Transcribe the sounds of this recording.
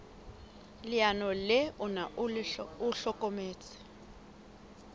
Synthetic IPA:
lɪanɔlɪʊna | ʊɬɔkʼomeːt͡sʼɪ̥

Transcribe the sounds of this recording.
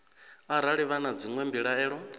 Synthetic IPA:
aɾaɺiβanad͡ziŋwɛmbiɺaɛːɺɔ

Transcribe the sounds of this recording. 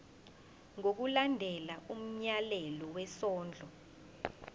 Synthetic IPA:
ŋok̬ulandʱɛlaʔum̩ɲalɛlɔwɛsɔːnd͡ɮʱɔ

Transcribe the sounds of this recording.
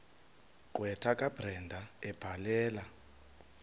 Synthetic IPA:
ǃwɛtʰakʼab̥rɛndʱaɛb̥ʱalɛːla

